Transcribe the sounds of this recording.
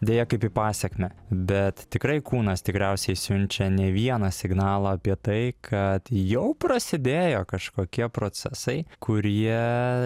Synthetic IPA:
d̪ʲeːjɛkɐɪpiːpɑːsʲɛkmʲɛbʲɛt̪t̪ʲɪkɾɐɪkuːnɐst̪ʲɪkɾʲɛʊsʲɛɪsʲʊnʲt͡ʃʲɛnʲɛʋʲiɛnɐsʲɪɡnɑːlˠɐɐpʲiɛt̪ɐɪkʰɐt̪jɛʊpɾɐsʲɪd̪ʲeːjoːkɐʃkoːkʲiɛpɾoːsʲɛsɐɪkʰʊɾʲiɛ

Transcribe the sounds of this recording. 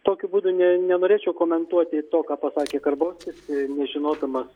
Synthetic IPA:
t̪oːkʲʊbuːd̪ʊnʲɛnʲɛnoːɾʲeːt͡ʃʲɛʊkoːmʲɛnt̪uɔt̪ʲɪt̪oːkɑːpɐsɑːkʲeːkɐrboːsʲt̪ʲɪsɪnʲɛʒʲɪnoːd̪ɐmɐs

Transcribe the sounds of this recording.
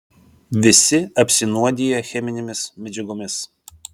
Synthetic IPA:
ʋʲɪsʲɪɐpʲsʲɪnuɔd̪ʲiːjɛxʲɛmʲɪnʲɛmʲɪsmʲɛd͡ʒʲɪɡʊmʲɪs

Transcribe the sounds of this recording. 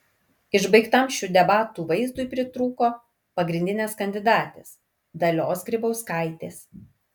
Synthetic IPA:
ɪʒbɐɪkt̪ɐmʃʲuːd̪ʲɛbɑːt̪uːʋɐɪzd̪ʊjpʲɾʲɪt̪ɾuːkoː | pɐɡɾʲɪnʲd̪ʲɪnʲeːskɐnʲd̪ʲɪd̪ɑːt̪ʲeːs | d̪ɐlʲoːsɡɾʲɪbɐʊskɐˑɪt̪ʲeːs

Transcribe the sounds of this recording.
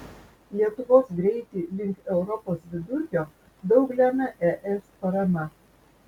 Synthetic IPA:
lʲiɛt̪ʊʋoːsɡɾʲɛɪt̪ʲɪlʲɪŋˑkɛʊɾɔpoːsʋʲɪd̪ʊɾʲkʲoː | d̪ɒʊɡlʲæmʲɛʔɛʔɛspɐɾɐmʲɛ

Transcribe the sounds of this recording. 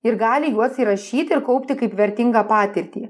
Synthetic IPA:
ɪɾɡɑːlʲɪjuɔsiːɾɐʃʲiːt̪ʲɪɾkɐʊpʲt̪ʲɪkɐɪpʋʲɛɾʲt̪ʲɪŋɡɑːpɑːt̪ʲɪɾʲt̪ʲiː

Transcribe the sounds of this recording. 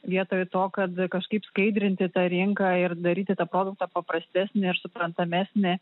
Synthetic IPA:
ʋʲiɛt̪oːjt̪oːkɐt̪kɐʃkɐɪpskɐɪd̪ʲɾʲɪnʲt̪ʲɪt̪ɑːɾʲɪŋkɑːɪrd̪ɐɾʲiːt̪ʲɪt̪ɑːpɾoːd̪ʊk̚t̪ɑːpɐpɾɐsʲt̪ʲæːsʲnʲɪɪɾsʊpɾɐnt̪ɐmʲæsʲnʲɪ

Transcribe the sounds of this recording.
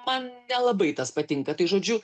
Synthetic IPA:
mɐnnʲɛlˠɐbɐɪt̪ɐspɐt̪ʲɪŋkɐt̪ɐɪʒoːd͡ʒʲʊ

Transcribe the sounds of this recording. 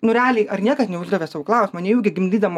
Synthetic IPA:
nʊɾʲɛɑːlʲɛɪɐrnʲiɛkɐsnʲɛʊʒd̪ɐʋʲeːsɑːʋoːklˠɐʊsʲɪmɐnʲɛjɛʊɡʲɪɡʲɪmʲd̪ʲiːd̪ɐmo

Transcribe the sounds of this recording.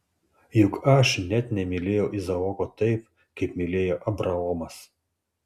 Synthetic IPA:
jʊkɐʃnʲɛt̪nʲɛmʲɪlʲeːjɛʊʔɪzɐɔkot̪ɐɪp̚ | kɐɪpmʲɪlʲeːjoːʔɐbɾɐɔːmɐs

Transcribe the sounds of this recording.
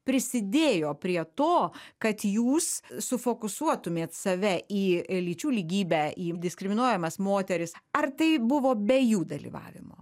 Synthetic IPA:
pʲɾʲɪsʲɪd̪ʲeːjoːpʲɾʲiɛt̪oːkɐt̪juːssʊfoːkʊsuɔt̪ʊmʲeːt̪sɐʋʲɛʔiːlʲiːt͡ʃʲuːlʲiːɡʲiːbʲæːiːd̪ʲɪskɾʲɪmʲɪnuɔjɛmɐsmoːt̪ʲɛɾʲɪsɐrt̪ɐɪbʊʋoːbʲɛjuːd̪ɐlʲḭːʋɑ̰ːʋʲɪ̰mo̰ː

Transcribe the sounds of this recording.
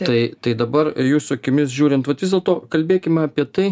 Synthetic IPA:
t̪ɐɪt̪ɐɪd̪ɐbɐrjuːsʊɐkʲɪmʲɪsʒʲuːɾʲɪnt̪ʋɐt̪ʋʲɪzdʲeɛlˠt̪oːkɐlʲbʲeːkʲɪmʲɛɐpʲiɛt̪ɐɪ

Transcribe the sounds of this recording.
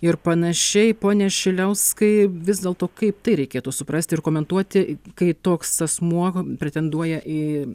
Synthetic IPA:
ɪrpɐnɐʃʲɛɪpoːnʲɛʃʲɪlʲɛʊskɐɪʋʲɪzd̪ʲeːlˠt̪oːkɐɪp̚t̪ɐɪɾʲɛɪkʲeːt̪uːsʊpɾɐsʲt̪ʲɪrkoːmʲɛnt̪uɔt̪ʲɪkɐɪt̪oːksɐsmuɔpʲɾʲɛt̪ʲɛnd̪uɔjɛʔɪ

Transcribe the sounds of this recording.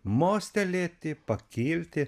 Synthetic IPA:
moːsʲt̪ʲɛlʲeːt̪ʲɪpɐkʲiːlʲt̪ʲɪ

